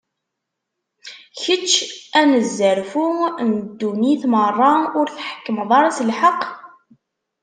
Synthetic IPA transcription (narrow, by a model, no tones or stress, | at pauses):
çət͡ʃːænəzːəɾfund̪ːuniθmərˤːɑʊɾθħə̥kːəməðˤɑɾˤɑsəlħəqː